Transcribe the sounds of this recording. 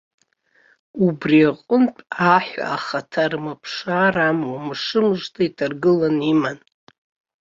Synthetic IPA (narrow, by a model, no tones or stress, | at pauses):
ubriaqʷʼʊnpʼaħʷa̰aχatʰarmapʰʂaramwamɨʂɨmʐtʰaitʰarɡɨlaniman